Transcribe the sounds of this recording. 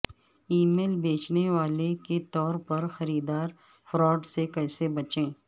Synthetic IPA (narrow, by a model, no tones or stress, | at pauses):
iːmeːlbeːt͡ʃneʋaːleket̪ɔːɾpɐɾxɐɾiːd̪aːɾ | fɾɔːɖsekɛːsebɐt͡ʃẽː